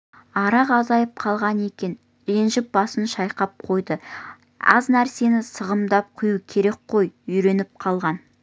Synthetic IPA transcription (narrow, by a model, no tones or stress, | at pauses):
ɑɾɑqɑzɑjəp̚qʰɑlˠʁɑne̞kʲe̞n | ɾe̞nʒɪp̚bɑsənʃɑjqɑp̚qʰo̞jd̪ə | ɑ̰znæɾse̞nɪsəʁəmd̪ɑp̚qʰʊjukʲʰe̞ɾe̞k̚qʰo̞jʏjɾe̞nɪp̚qʰɑlˠʁɑn